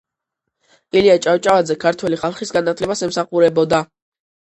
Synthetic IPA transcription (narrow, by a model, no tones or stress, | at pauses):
iliat͡ʃʼaft͡ʃʼavad̪zɛkʰaɾt̪ʰwɛliχalˠχisɡanat̪ʰlɛbasɛmsaχuɾɛbɔd̪a